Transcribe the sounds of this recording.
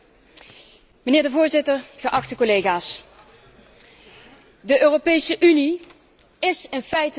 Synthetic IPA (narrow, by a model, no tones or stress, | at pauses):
mənɪːɹdəvʊːɹzɪtəɹɣəʔɑxtəkolejɣaːs | dəʔøːropejsəʔyni | ɪsɪnfɛjt